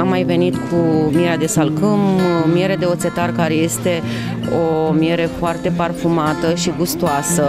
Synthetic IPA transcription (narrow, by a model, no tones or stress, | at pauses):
amːajve̞nit̪kʰumieɾead̪e̞salkɨmmje̞ɾe̞d̪e̞o̞t̪se̞t̪arkaɾe̞je̞st̪e̞ | omije̞ɾe̞foart̪e̞parfumat̪əʃiɡust̪uasə